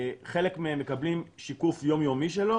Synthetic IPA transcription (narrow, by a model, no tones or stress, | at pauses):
χe̞lekmeemːe̞kɐblimʃikufjo̞mjo̞miʃ̬elo